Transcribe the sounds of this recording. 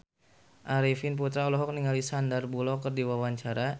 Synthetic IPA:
ʔaɾifinp̬ut̪ɾaulɔɦɔk̚niŋalisandarbulɔkərdiwawaɲt͡ʃaɾa

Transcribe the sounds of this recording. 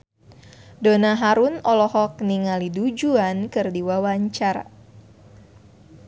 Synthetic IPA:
donaɦaɾunɔlɔhɔk̚niŋalidud͡ʒuankɨrdiwawaɲt͡ʃaɾa̰

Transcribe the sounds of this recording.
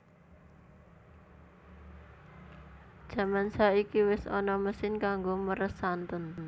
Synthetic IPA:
d̥ʒ̥ä̤mansaikiwɪsɔ̰nɔməsɪnkaŋɡoməɾəsant̪ən

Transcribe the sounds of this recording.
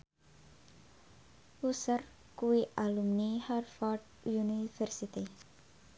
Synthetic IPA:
usər | kuiʔalumniharfɔɖ | junifɛrsit̪i

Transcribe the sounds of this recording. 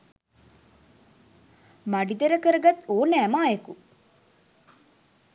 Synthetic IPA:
mɐɖid̪ɐɾɐkəɾɐɡɐt̪oːnæmaːeku

